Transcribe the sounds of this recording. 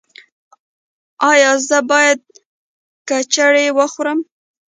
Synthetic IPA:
ɑjɑzəbɑjad̪̚ | kat͡ʃaɽewəxɾəm

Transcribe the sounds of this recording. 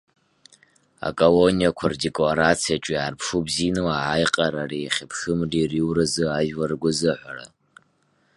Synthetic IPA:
a̰kʼolonijakʷʰardekʼoɾat͡sʰiat͡ʃʷʼiarpʰʂubzinɨwaːjqʼaɾariχʲɪpʰxɨmririwrɨzɨaʒwarɡʷʊzɨħʷara̰

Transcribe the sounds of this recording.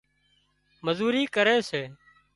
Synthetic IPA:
məzuːɾiːkəɾeːseː

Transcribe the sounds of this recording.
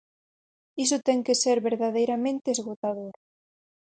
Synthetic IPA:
is̬ʊt̪ɛŋkeseɾβeɾðaðejɾamẽnt̪eːzɣot̪aðoɾ

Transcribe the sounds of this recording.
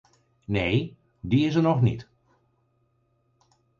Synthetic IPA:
nej | diɪsəɹnɔχnḭt

